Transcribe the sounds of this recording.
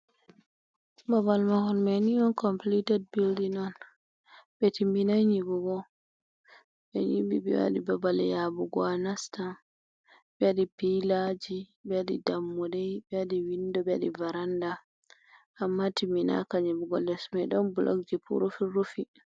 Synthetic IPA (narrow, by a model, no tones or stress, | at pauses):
babalmahɔnmɛniɔnkɔmplitɛd̚bildinɔn | bɛtimbinajɲibuɡɔ | ɓɛ̰ɲibibɛ̰wa̰ɗibabalɛ̰jabuɡɔanastan | bɛwaɗipilad͡ʒibɛaɗidamːudɛjbɛwaɗiwindɔbɛa̰ɗivaɾandaː | mːatimina̰kaɲibuɡɔ̰ldɛsmɛɗɔnbulʔo̰k̚d͡ʒipʰṵɾufiɾufi